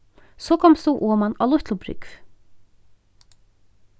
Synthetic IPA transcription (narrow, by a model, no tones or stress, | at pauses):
sɔkʰɔmst̪uʔɔːmana̰lʊht̪lʊpɾʏ̰kv